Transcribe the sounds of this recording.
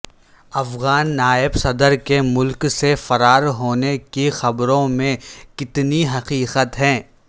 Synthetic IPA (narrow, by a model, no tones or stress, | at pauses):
ɐfɣaːnːaːɪbsɐd̪əɾkemʊlksefɐɾaːɾɦoːnekixɐbɾõmẽkɪt̪niɦɐqiːqət̪ɦɛ̃ː